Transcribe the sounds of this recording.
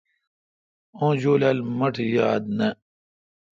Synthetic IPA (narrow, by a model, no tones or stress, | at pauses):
õːd͡ʑoːlaːlmɐʈʰjaːd̪̚nɐ